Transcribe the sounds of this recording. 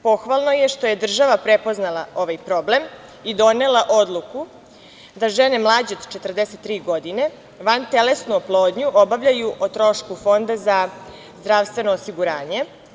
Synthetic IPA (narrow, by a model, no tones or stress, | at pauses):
po̞xʋalˠnoje̞ʃt̪o̞jed̪r̩ʒaʋapɾepo̞znalˠao̞ʋajpɾo̞ble̞m | id̪o̞nelˠaʔo̞d̪lˠuku | d̪aʒene̞mlˠaːd͡ʑeod̪t͡ʃe̞t̪r̩d̪eset̪ːɾiːɡo̞d̪ine̞ | ʋant̪elesnuplˠoːd̪ɲuʔobaʋʎajuʔot̪ɾo̞ʃkufo̞nd̪aza | zd̪ɾaʋst̪ʋe̞no̞ːsiɡuɾaːɲe̞